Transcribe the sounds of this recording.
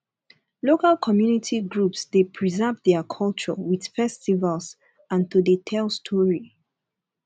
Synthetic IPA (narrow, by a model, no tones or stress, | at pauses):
lokalkʰɔmjunitʰiɡɹupsdepʰɹizɛvðɛkʰɔlˠt͡ʃɔ̰wið̥fɛstivals | ãntudetʰɛlstʰɔɹi